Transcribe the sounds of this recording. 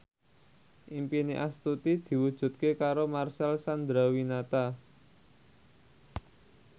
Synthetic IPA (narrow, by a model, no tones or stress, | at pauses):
ʔimpiniʔast̪ut̪id̪̥i̤wud̥ʒ̥ṳt̪̚kekaɾomarsalsand̪ɾawinat̪a